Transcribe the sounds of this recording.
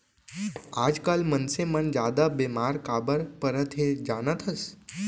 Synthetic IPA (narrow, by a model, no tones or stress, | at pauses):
aːd͡ʒkalmənsemənd͡ʒjaːd̪abeːmaːɾkaːbəɾpəɾət̪ʰɦed͡ʒaːnət̪ʰɦəs